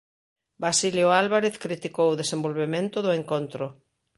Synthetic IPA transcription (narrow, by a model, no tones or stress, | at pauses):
basiljoalβaɾeθkɾit̪ikowʊðesembolβemẽnt̪ʊðʊeŋkont̪ɾʊ